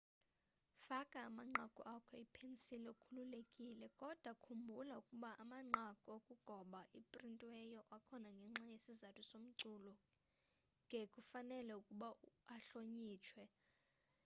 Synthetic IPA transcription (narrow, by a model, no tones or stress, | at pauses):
fakʼaːmaŋ͡ǀʱakʼɔʔakʰɔipʰensilɛukʰululekʼilɛkʼɔd̥ʱwakʰumbʱulaukʼuɓaʔamaŋ͡ǀʱakʼɔokʼuɡ̥ʱɔɓaʔipʼrintʼwɛjɔʔakʰɔnaŋɡʱɛŋ͡ǁajesizatʰusom̩ǀuːlɔ | ŋɡʱekʼufanɛlɛukʼuɓaaɬoɲiːt͡ʃʰwɛ